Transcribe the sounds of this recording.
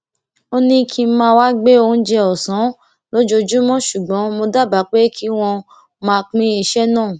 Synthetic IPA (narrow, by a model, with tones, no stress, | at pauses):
o˦nĩ˧kʰi˧˦mãː˧wa˦ɡ͡be˦o˧˦d͡ʒɛ˧ɔ˨sã˨˦ | lo˦d͡ʒo˧d͡ʒu˦mɔ̃˦ʃu˨ɡ͡bɔ̃˨˦mo˧da˦˨ba˨˦k͡pe˦kʰi˦w̃ɔ̃˧ | mã˧k͡pĩ˦i˦˧˨ʃɛ˦nãː˦˨